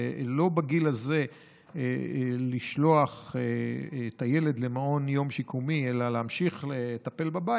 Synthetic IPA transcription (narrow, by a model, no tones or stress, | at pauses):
lo̞baɡilaze̞ | liʃlo̞aχeet̪aje̞le̞d̪lemao̞njo̞mʃikumielaleamʃiχletape̞lbaba